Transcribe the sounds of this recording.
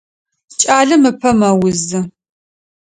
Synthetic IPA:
t͡ʃʼaːɮɐmɨpʰɐmɐwʊzɨ

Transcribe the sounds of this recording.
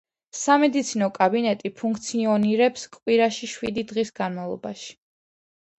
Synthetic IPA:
samɛd̪it̪sʰinɔkʼabinɛt̪ʼipʰuŋk̚ʰt̪sʰiɔniɾɛpskʼwiɾaʃiʃwid̪id̪ʁisɡanmavlˠɔ̰baʃi̥

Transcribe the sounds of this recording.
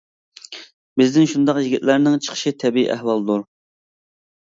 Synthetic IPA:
bɪznɪnʃund̪ɑqjiɡʲit̪læɾnɪŋt͡ʃʰə̥χʰə̥ʃit̪ʰɛbiḭʔæ̰hwɑlˠd̪uɾ

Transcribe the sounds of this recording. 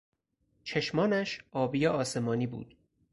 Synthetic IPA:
t͡ʃʰeʃmɒːnæʃɒːbijɒɒːse̞mɒːniːbṵːd̪̥

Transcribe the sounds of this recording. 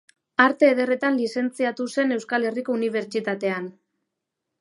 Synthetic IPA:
aɾt̪e̞ːð̞e̞re̞t̪anlise̞nt͡siat̪use̞ne̞wskale̞riko̞uniβ̞e̞ɾt͡ʃit̪at̪e̞an

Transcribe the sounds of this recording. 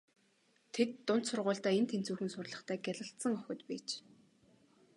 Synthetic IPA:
t̪ʰet̪ːʊn̥t̪sʊrʁʊːɬt̪æːent̪ʰen̥t͡suːxɘ̆nsʊrɮə̆χt̪ʰæːɡʲæɮə̆ɬt̪sə̆ŋɔxʲʊ̆t̪piːt͡ɕ

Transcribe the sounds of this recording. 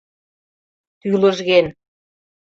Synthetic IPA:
t̪ylə̆ʒɣen

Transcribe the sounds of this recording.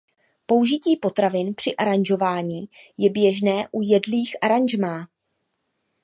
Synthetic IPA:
po̞wʒɪciːpo̞t̪ɾavɪnpr̥ɪʔaɾanʒo̞vaːɲiːjɛbjɛʒnɛːʔujɛdliːxʔaɾanʒmaː

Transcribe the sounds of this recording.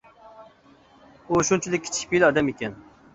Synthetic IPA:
uʃunt͡ʃʰilɪkʲːʰi̥t͡ʃʰi̥kʲpilɑd̪ɛmikʲɛn

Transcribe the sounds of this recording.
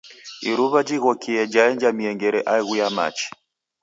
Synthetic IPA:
iɾuβad͡ʒiɣɔkiɛd͡ʒaɛɲd͡ʒamiɛŋɡɛɾɛʔaiɣujama̰t͡ʃi̥

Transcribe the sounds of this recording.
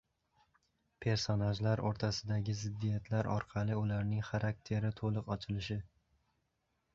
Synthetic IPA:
pʰe̞ɾsonaʒlaɾoɾt̪ʰasɪd̪aɡʲɪzɪd̪ːijat̪ʰlaɾɒ̰ɾqʰɑlˠɪʊlaɾnɪŋχaɾak̚ʲt̪ʰe̞ɾɪt̪ʰolˠɨqɒt͡ʃʰɪlɪʃɪ

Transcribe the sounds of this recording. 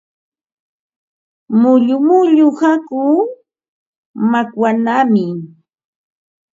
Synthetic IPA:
mʊʎʊmʊʎʊhakʊ | makwanamɪ

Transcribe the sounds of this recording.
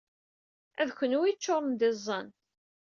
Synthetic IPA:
æðçʷənuwit͡ʃːoɾˤnd̪ɪzˤːɑn

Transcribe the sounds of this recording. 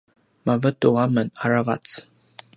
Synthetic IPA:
mavət̪uwamənaɾavat͡s

